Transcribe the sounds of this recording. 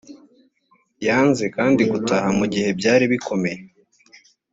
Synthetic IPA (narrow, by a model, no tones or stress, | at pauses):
jaːnzekaːndiɡutahamuɟihe̞bɟaːɾiβikʰo̞me̞je